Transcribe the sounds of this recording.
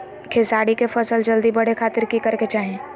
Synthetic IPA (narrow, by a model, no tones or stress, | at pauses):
kʰeːsaːɽikefɐsəld͡ʒɐld̪ibɐɽ̤ekʰaːt̪ɪɾkikɐɾket͡ʃaːɦẽː